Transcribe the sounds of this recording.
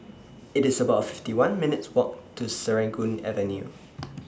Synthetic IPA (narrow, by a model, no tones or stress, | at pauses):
ɪtɪsəbaʊtfɪftiwãnmɪnɪtswɔk̚tʰusəɹɛ̃ŋkũnɛ̰və̃njṵ